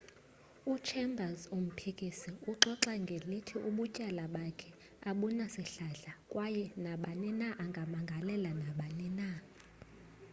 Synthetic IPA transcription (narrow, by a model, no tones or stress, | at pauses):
ut͡ʃʰɛmbʱazum̩pʰikʼisiuǁɔǁaŋɡʱelitʰiʔuɓucʼalaɓakʰɛ | aɓunasiɬaɮakʼwajɛnaɓanɛnaʔaŋɡʱamaŋɡʱalɛlanaɓanɛna